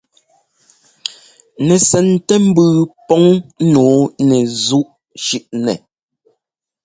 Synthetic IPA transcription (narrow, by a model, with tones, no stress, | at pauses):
nɛ˨sɛ˨ntɛ˦m̩˦bʉ˨pɔ˦ŋ˦noː˨˦nɛ˨zu˦ʔ | ʃʉ˦ʔnɛ̰˨